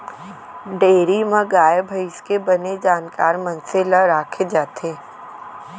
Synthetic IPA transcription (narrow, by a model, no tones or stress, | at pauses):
ɖeːɾimə̃ɡaːjebʱəɪskebɐned͡ʒaːnkaːɾmɐnselaɾaːkʰed͡ʒaːt̪eː